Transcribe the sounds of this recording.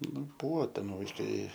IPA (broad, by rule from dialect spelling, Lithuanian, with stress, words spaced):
ˈnʊ ˈbʊʋoː ˈtʲɛn ʋɐɪˈkɐɪ